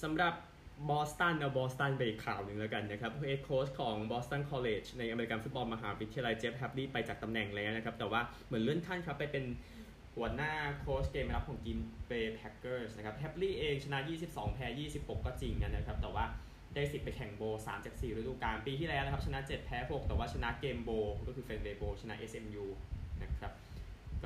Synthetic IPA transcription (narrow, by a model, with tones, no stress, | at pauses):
sa˩˦mɾa˨˩p̚ | bɔː˦˥st̪a˥˩nːa˦˥˩bɔː˦˥st̪a˥˩nbe˧˨i˨˩kʰlaː˨˩wnɯ˨˧ŋlɛː˦˥ka˧nːa˦˥kʰa˦˥p̚e˦˥kʰːoː˦˥skʰɔː˩˦ŋbɔː˦˥st̪a˥˩nkʰɔː˧leː˨˩t͡ɕʰna˧jʔa˧meː˧i˧ka˧nfu˦˥t̪̚bɔː˧nma˧ɦaː˩˦wi˦t̪ʰi˧ja˧la˧jt͡ɕeː˦˥p̚hɛ˦˥p̚liː˥˩pa˧jt͡ɕaː˨˩k̚t̪a˧mnɛ˨˩ŋlɛː˦˥wna˦˥kʰa˦˥p̚t̪ɛː˨˩waː˥˩ | mɯ˩˦ə˦lɯ˥˩ənt̪ʰa˥˩nkʰa˦˥pːa˧jpe˧n | hu˨˩˦ɐnaː˥˩kʰoː˦˥skeː˧ma˧ɾa˦˥p̚kʰɔː˩˦ŋkiː˧mweː˧pʰɛ˦˥kːɤː˥˩sna˦˥kʰa˦˥p̚hɛ˦˥p̚liː˥˩ʔeː˧ŋt͡ɕʰa˧na˦˥ʔjiː˥˩si˨˩p̚sɔ̰ː˩˦ŋpʰɛː˧˥jiː˥˩si˨˩p̚ho˨˩kːɔː˥˩t͡ɕi˧˩ŋka˧nːa˦kʰa˦˥p̚t̪ɛː˨˩waː˥˩ | daː˥˩jsi˨˩t̪̚pa˧jkʰɛ˨˩ŋboː˧sa̰ː˩˦mt͡ɕaː˨˩k̚siː˨˩ɾɯ˦˥duː˨˧˩kaː˧mpiː˧t̪ʰiː˥˩lɛ˦wna˦˥kʰa˥p̚t͡ɕʰa˧na˦˥t͡ɕe˨˩t̪̚pʰɛː˦˥ɦo˨˩k̚t̪ɛː˨˩waː˥˩t͡ɕʰa˧na˦˥keː˧mboː˧kɔː˥˩ɯː˧feː˧nweː˧boː˧t͡ɕʰa˧na̰˦˥ʔe˦˥sʔe˧mjuː˧na˦˥kʰɾa˦˥p̚kɔː˥˩